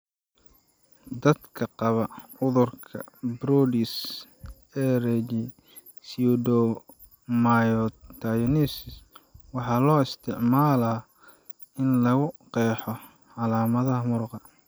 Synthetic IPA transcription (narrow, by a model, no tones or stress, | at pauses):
d̪ɐd̪kʰɐqɑβɐʊðʊrkʰɐ̰bɾudis | ɛːɾɛd͡ʒi | sud̪ɔ | majɔt̪ʰɐjnisɪswɑħɑːlɔːɪst̪ʰɪʕmaːlɐː | ɪnlɐɣʊqɛːħɔ | ʕɑlaːmɐðɐɦɐmʊɾqɑ